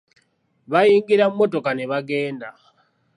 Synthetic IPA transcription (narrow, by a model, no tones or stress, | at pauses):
βajiːŋɡiɾammotokaneβaɡe̞ːnda